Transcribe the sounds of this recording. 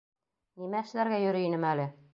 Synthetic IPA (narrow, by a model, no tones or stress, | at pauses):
nimæɘ̆ʃlæɾɡæjɵ̆ɾɘ̆inɘmælɘ